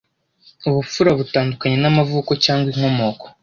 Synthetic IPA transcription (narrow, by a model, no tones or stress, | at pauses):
uβup͡fuɾaβutaːndukaɲe̞namavuːko̞caːŋɡwiŋ̥ho̞mo̞ːko̥